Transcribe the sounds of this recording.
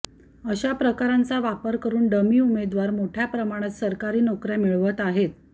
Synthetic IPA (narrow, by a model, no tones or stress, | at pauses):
əɕapɾəkaɾant͡saʋapəɾkəɾuːnɖəmiːumed̪ʋaɾmoʈʰjapɾəmaɽ̃at̪səɾkaɾiːnokɾjamiɭʋət̪aɦet̪̚